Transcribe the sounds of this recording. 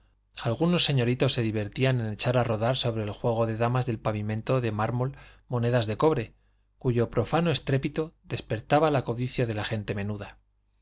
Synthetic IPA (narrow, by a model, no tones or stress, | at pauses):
alɣuno̞sːe̞ɲo̞ɾit̪o̞sːe̞ðiβe̞ɾt̪iane̞ne̞t͡ʃaɾaro̞ðaɾso̞βɾe̞ːlxwe̞ɣ̞o̞ðe̞ðamazðe̞lpaβimẽ̞nt̪o̞ðe̞maɾmo̞lmo̞ne̞ðazðe̞ko̞βɾe̞ | kuʝo̞pɾo̞fano̞e̞st̪ɾe̞pit̪oðe̞spe̞ɾt̪aβalako̞ðiθjaðe̞laxe̞nt̪e̞mẽ̞nuða